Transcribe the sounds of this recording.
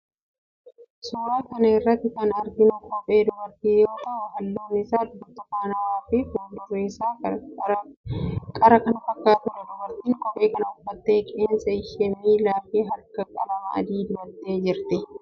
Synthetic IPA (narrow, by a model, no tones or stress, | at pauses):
suːɾaːkɐnɐɪrːɐt̪ːɪkɐnɐɾɡɪnʊkʼɔpʼːe̞ːd̪ʊbɐɾt̪iːjo̞ːt̪ɐhʊhɐlːoːnɪsaːd̪ʊbɐt̪ːɐkːaːnɐwaːfɪfʊd̪ʊrːesaː | kʼɐɾɐkɐnɐfɐkːaːt̪ʊɾɛd̪ʊbɐɾt̪iːŋkʼɔpʼe̞ːkɐnɐʊfːɐt̪ːeːkʼeːnsɐɪʃɛmiːlaːfiːɦɐɾkɐkʼɐbɐmɐ̰ɐ̰d̪iːd̪ʊbɐt̪ːeːd͡ʒɪɾt̪ɪ